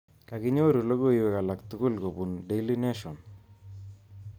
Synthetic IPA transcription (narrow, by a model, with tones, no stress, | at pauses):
ka˨ɡɪ˦ɲo˦ɾu˨lo˦ɡo˦iwɛ˨ka˨la˨kt̪u˦ku˦lko˨bu˨nɖe˦li˦ne˦ʃɔ˨n